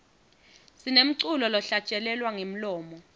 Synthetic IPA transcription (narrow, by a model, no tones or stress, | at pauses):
sinem̩ǀulɔlɔɬḁt͡ʃʼɛlɛlwaŋem̩lɔːmɔ